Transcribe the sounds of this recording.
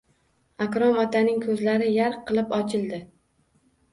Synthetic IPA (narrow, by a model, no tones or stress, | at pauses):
akɾɒmɒt̪ʰanɪŋkʰɵzlaɾɪjaɾqʰːɨlˠɪpɒt͡ʃʰɪlˠd̪ɪ